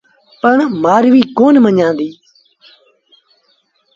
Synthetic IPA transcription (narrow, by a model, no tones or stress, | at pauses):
pəɳmaːɾʋiːkoːnməɲãːnd̪iː